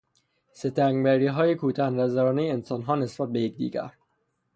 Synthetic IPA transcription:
set̪ʰæŋɡbæɾiːɦɒːjekʰuːt̪ʰænvæzæɾɒːnejeensɒːnɦɒːnesbæt̪̚bejec̚d̪ḭːɡæ̰ɾ

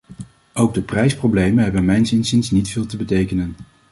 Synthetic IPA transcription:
owɡ̚dəprɛjsprowblejmənɦɛbənmɛjnsɪnsɪnsnitfɪːlˠtəbətejkənən

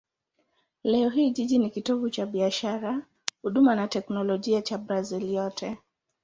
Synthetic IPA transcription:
lɛɔɦiːʄiʄinikitɔvut͡ʃaɓiaʃaɾa | huɗumanatɛknɔlɔʄiat͡ʃabɾaziljɔtʰɛ

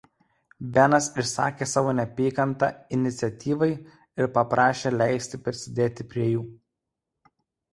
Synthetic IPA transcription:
bʲɛnɐsɪʃsɑ̰ːkʲeːsɑːʋoːnʲɛpʲiːkɐnt̪ɑ̰ɪnʲɪt̪sʲɛt̪ʲiːʋɐɪ | ɪɾpɐpɾʔɑːʃʲeːlʲæˑɪsʲt̪ʲɪpʲɾʲɪsʲɪd̪ʲeːt̪ʲɪpʲɾʲiɛjuː

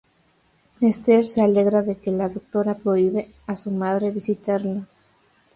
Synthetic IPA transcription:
mest̪eɾse̞ale̞ɣɾaðe̞kelaðok̚t̪o̞ɾapɾo̞iβe̞ | asumaðɾe̞βisit̪aɾla

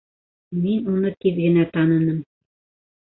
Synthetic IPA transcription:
minunɤk̪iðɡɘ̆næt̪ɑnɤ̆nɤm

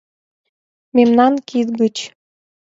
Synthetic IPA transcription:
memnɑnkit̪ɡət͡ɕ

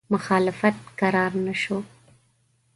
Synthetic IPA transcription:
mʊxɑːlɪfat̪̚kaɾɑɾnaʃo

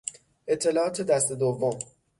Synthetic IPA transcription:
ʔe̞t̪ʰːe̞lɒːɒːt̪ʰed̪æst̪e̞d̪ovːom

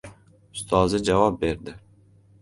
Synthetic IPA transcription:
ʊst̪ʰɑːzɪd͡ʒavɑp̚beɾd̪ɪ

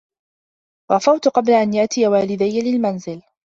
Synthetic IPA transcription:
ɣɑfawt̪ʊqɑblaʔanjaʔt̪ɪjawaːlɪd̪ajːalɪlmanzɪl

